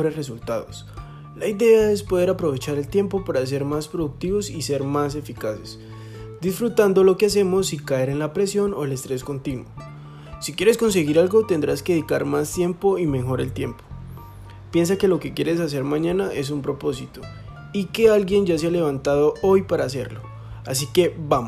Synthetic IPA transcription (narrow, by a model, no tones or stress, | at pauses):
oɾesresult̪aðos | laiðe̞ae̞spo̞ð̞e̞ɾapɾo̞β̞e̞t͡ʃaɾe̞lt̪je̞mpo̞paɾas̬e̞ɾmaspɾo̞ðuk̚t̪iβo̞sise̞ɾmas̬e̞fikase̞s | d̪isfɾut̪and̪o̞lo̞keas̬e̞mo̞sikae̞ɾe̞nlapɾe̞sjo̞no̞elest̪ɾe̞sko̞nt̪inwo | sikje̞ɾe̞sko̞ns̬e̞ɣiɾalɡo̞t̪end̪ɾaske̞eðikaɾmast̪je̞mpo̞ime̞xo̞ɾe̞lt̪je̞mpo̥ | pje̞ns̬ake̞lo̞ke̞kje̞ɾe̞s̬as̬e̞ɾmãɲãnaʔe̞s̬umpɾo̞po̞sit̪o | ike̞alɡje̞nd͡ʒas̬ealeβ̞ant̪aðo̞ʔo̞jpaɾaːs̬e̞̰ɾlo̞ | asike̞bamo